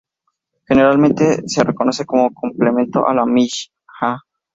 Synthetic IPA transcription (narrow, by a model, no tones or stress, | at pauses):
xe̞neɾalmẽnt̪e̞se̞reko̞no̞se̞ko̞mokomplemẽ̞nt̪o̞̰ʔalamiʃ | xa